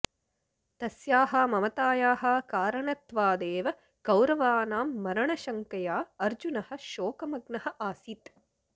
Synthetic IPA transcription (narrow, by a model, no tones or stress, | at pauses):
t̪ɐsjaːɦɐmɐmɐt̪aːjaːɦɐkaːɾɐɳɐt̪ʋaːd̪eːʋɐ | ɡ̥ɐwɾɐʋaːnaːmːɐɾɐɳɐʃɐŋkɐjaːɐɾd͡ʒunɐhɐ̆ʃoːkɐmɐɡnɐhɐ̆ʔaːsit̪